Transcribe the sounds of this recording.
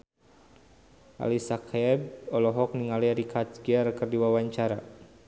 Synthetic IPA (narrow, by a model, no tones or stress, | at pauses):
ʔa̰lisakʰɛb̚ɔlɔɦɔk̚niŋaliaɾikʰatɡiarkɨrdiwawaɲt͡ʃaɾa